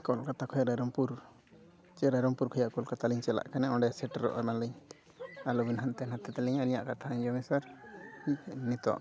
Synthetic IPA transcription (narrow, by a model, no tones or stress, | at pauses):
kɔlkat̪akʰɔjaɾaɾɔmpuɾ | t͡ʃɛɾaɾɔmpuɾkʰɔjaʔkɔlkat̪aliɲt͡ʃɛla̰ʔkanɛɔɳɖɛsɛʈɾɔ̰ʔamanliɲ | alɔbinɦant̪ɛnat̪ɛt̪ɛliɲalɲaʔkat̪ʰaaɲd͡ʒɔmɛsaɾinit̪ɔ̰ʔ